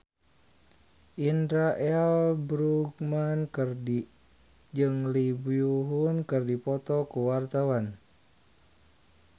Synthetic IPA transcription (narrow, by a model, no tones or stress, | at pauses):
ʔindɾaʔɛlbɾuɡmankɨrdi | d͡ʒɨŋlibiuɦunkɨrdipɔt̪ɔkuwart̪awan